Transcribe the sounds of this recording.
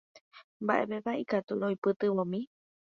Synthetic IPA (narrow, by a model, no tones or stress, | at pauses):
mbaʔḛpepaʔikat̪uɾojpɨt̪ɨʋõmĩ